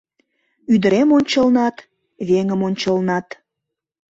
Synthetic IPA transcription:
yd̪əɾemonʲt͡ɕəlnɑt̪ | βeŋəmonʲt͡ɕəlnɑt̪

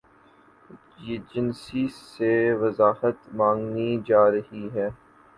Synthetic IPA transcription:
jeːd͡ʒɪnsiseʋɐzaːhət̪mãːŋɡnid͡ʒaːɾɐɦiɦɛː

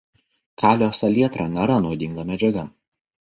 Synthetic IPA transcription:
kʰɑːlʲoːsɐlʲiɛt̪ɾɑnʲɛɾɐnɔʊd̪ʲɪŋɡɐmʲɛd͡ʒʲɛɡɐ

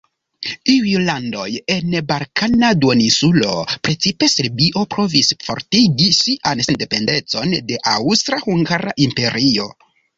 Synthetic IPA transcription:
iujlando̞̰je̞nbalkanaduonisulo̞̰pɾe̞t͡sipe̞seɾbiʔo̞pɾo̞visfo̞̰ɾtiɡisiʔansende̞pe̞nde̞t͡so̞nde̞ʔawstɾahuŋɡaɾaʔimpe̞ɾio̞̰

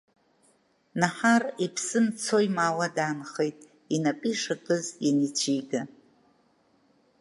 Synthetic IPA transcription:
naħaripʰsɨmt͡sʰo̞jmawadaːnχe̞jtʼ | inapʼiʂatʼɨzinit͡ʃʷʰiɡa

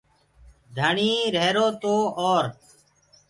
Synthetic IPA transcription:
d̪ʱəɳiːɾeːɾoːt̪oːoːɾ

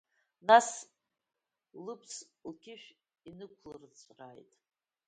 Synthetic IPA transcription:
nas | lɨpʰslkʲʰɪʃᶣ | inɨkʷʰlɨrt͡sʷʰʼra̰jtʼ

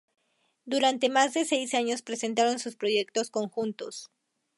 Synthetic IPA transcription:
d̪uɾant̪e̞mazðe̞se̞jsaɲo̞spɾe̞se̞nt̪aɾo̞nsuspɾo̞ʝe̞k̚t̪o̞sko̞ŋxunt̪o̞s

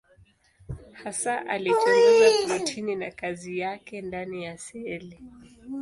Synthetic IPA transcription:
hasaʔa̰lituɛzatamatʰininakazijakɛndanijasɛli

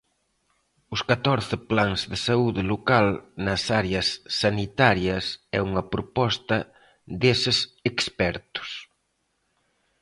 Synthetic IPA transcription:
ʊskat̪ɔɾθɪplaŋzðɪsauðɪlokalnɐsaɾeɐsːanit̪aɾjɐsɛuŋɐpɾopɔst̪ɐ | ðesɪsekspɛɾt̪ʊ̥s

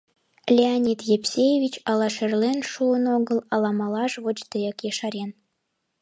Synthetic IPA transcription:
lʲeanʲit̪jepsʲejevʲit͡ɕɑlɑʃerlenʃuənoɣəlɑlɑmɑlɑʃβot͡ɕt̪əjəkjeʃɑɾen

